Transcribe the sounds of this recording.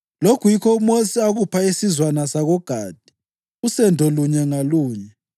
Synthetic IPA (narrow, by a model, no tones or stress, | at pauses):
lokʰujikʰɔumosiaɣupʰaesizwanasaɣɔɡ̥ʱaːd̥ʱi̥ | usɛndʱoluɲɛŋaluːɲɛ